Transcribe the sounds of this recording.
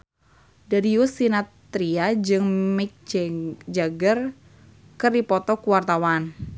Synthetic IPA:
daɾiusinatt̪ɾiad͡ʒɨŋmɪk̚d͡ʒaɡər | kɨripɔt̪ɔkuwart̪awan

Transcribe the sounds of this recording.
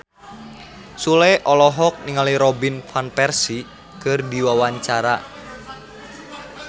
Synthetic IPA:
suleʔɔlɔɦɔk̚niŋaliɾɔbinfanpɛrsi | kərdiwawaɲt͡ʃaɾa

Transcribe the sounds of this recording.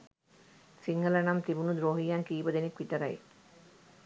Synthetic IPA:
siŋɡələnamt̪ibunud̪ɾoːɦijaŋkiːbəd̪enikʋit̪əɾɐj̰

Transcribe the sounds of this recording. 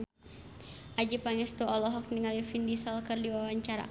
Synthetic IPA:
ʔad͡ʒipaŋɛst̪uɔlɔɦɔk̚niŋalifindisɔlkɨrdiwawaɲt͡ʃaɾa̰

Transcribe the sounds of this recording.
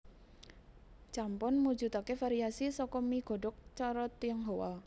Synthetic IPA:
t͡ʃampʊnmu̥d͡ʒut̪akefaɾiasisɔkɔmiɡ̥ɔ̤ɖɔk̚t͡ʃɔɾɔt̪iəŋɦowa̰

